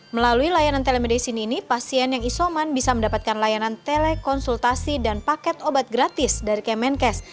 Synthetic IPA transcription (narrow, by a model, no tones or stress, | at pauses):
məlaluilajanant̪elɛmedasiniːnipasiɛnjaŋisomanbisaməndapat̪̚kanlajanant̪elɛkɔnsult̪asidanpakɛt̪obat̪̚ɡɾat̪ɪsdaɾikɛmɛnkɛs